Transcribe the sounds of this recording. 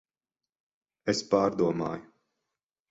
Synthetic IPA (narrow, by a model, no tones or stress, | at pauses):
espaːɾd̪uɔmaːju